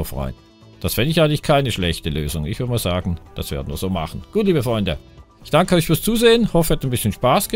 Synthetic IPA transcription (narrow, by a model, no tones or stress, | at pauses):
ofʁ̥ɔ̰ʏən | d̥asfɪndəɪçaɪŋlɪçkʰaɪnəʃlɛçtəløːzʊŋɪçv̥ɪdəmiːɐzaːɡn̩d̥a̰sv̥ḛɐdən̩viːɐzoːma̰χn̩ɡ̥uːtliːbəfʁ̥ɔʏndə̰ | ɪçd̥aŋkəɔʏçfyːɐst͡suːzeːənhɔfəhɛtnbɪsçənʃpaːsɡ̥ə